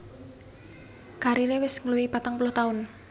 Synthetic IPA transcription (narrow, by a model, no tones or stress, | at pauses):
kaɾilewɪsŋəluwipat̪aŋpulʊht̪aʊn